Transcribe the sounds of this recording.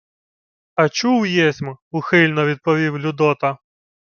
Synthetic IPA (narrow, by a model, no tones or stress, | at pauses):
ɐt͡ʃuwjesʲmʊxɪlʲnɔʋʲid̪̚pɔʋʲiwlʲʊd̪ɔt̪ɐ